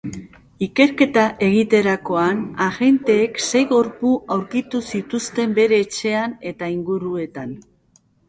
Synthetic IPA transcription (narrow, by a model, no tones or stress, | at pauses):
ike̞ɾke̞t̪aʔe̞ɣit̪e̞ɾako̞anaɣe̞nt̪e̞ːkse̞jɣo̞ɾpuʔawɾkit̪usit̪ust̪e̞mbe̞ɾe̞ːt͡ʃe̞ane̞t̪aiŋɡuɾue̞t̪an